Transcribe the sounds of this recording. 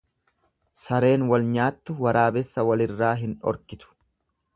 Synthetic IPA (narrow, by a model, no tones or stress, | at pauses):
sɐɾe̞ːnwɐlɲaːt̪ːʊwɐɾaːbɛsːɐwɐlɪrːaːɦɪnɔ̰ɾkɪt̪ʊ̥